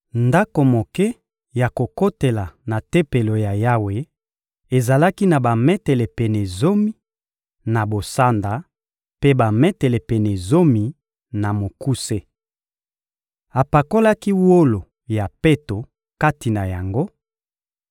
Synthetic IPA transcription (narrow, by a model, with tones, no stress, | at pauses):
nda˦ko˨mo˨kɛ˦ | ja˨ko˨ko˦te˨la˨na˨te˦pe˨lo˨ja˨ja˦we˨ | e˨za˨la˦ki˦na˨ba˨mɛ˦te˨le˨pɛ˨ne˨zo˦mi˦ | na˨bo˨sa˦nda˨ | pe˦ba˨mɛ˦te˨le˨pɛ˨ne˨zo˦mi˨ | na˨mo˨ku˦se˦ | a˨pa˨ko˦la˦ki˦wo˦lo˨ | ja˨pe˦to˨ | ka˦ti˨na˨ja˨ŋɡo˦